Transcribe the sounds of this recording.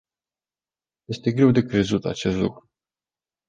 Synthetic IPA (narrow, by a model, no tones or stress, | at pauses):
je̞st̪e̞ɡɾe̞wd̪e̞kɾe̞zut̪a̰t͡ʃe̞st̪lukɾu